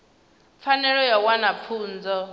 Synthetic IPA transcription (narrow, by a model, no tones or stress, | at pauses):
p̪fʰanɛɺɔjawanap̪ʰuːnd͡zɔ